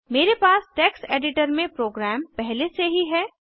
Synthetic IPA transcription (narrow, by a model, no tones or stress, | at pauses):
meːɾepaːsʈɛːkseːɖɪʈəɾmẽpɾoːɡɾɛːmpɛɦleseɦiɦɛː